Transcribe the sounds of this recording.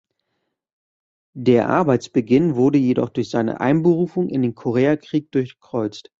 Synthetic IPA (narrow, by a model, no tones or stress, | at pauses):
d̥eːɐʔa̰ɐbaɪt͡sb̥əɡɪnvʊɐdəjedɔ̰χd̥ʊɐçz̥aɪnə̰ʔa̰ɪnbəʁuːfʊŋʔɪ̰ndeːnkʰoʁ̞eːakʁ̥iːk̚d̥ʊɐçɡ̥əkʁ̥ɔʏt͡st